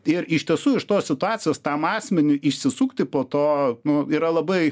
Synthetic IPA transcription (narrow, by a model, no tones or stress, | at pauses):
ɪɾɪʃt̪ʲiɛsuːɪʃt̪oːssʲɪt̪ʊɑːtt͡s̪ʲɪjoːst̪ɐmɑːsʲmʲɛnʲʊʔɪʃʲsʲɪsukt̪ʲɪpoːt̪oːnʊiːɾɐlˠɐbɐɪ